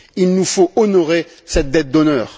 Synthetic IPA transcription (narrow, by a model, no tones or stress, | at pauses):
ilnufoɔnɔʁe | sɛt̪̚d̪ɛt̪̚d̪ɔnœːʁ